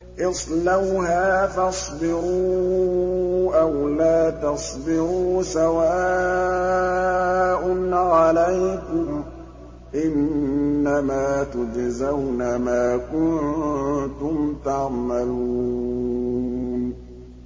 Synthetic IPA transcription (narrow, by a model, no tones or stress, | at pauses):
ʔɪsˤlawhaːfɑsˤbɪɾuː | ʔawlaːt̪ɑsˤbɪɾuːsawaː | ʔʊnʕalajkʊm | ʔɪnːamaːt̪ʊd͡ʒzawnamaːkʊn | t̪ʊmt̪ɑʕmaluu | n